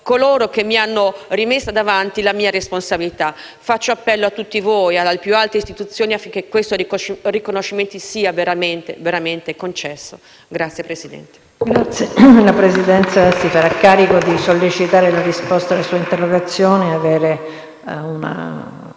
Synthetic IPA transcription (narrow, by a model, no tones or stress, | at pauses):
koloːɾok̟emːianːorimesːad̪avant̪ilamiːaɾesponsabilit̪a | fat͡ʃːoapːɛlːoat̪ːut̪ːivojaalepjualt̪eist̪it̪ut̪sːjoːniafːiŋk̟ekːwest̪orikonoʃːiment̪isiːaveɾament̪eveɾament̪ekont͡ʃɛsːo | ɡɾat̪sjepɾesid̪ɛ̰nt̪e̥ | ɡɾat̪sjelapɾesid̪ɛnt̪sasifaɾakːaːɾikod̪isolːet͡ʃit̪aːɾelaɾispɔst̪alasuːaint̪eroɡat̪sːjoːneaveːɾe | una̰